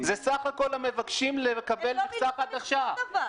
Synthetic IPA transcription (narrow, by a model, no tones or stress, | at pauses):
zesaχako̞lhame̞vakʃimlekabe̞laχsaχat̪aχʃav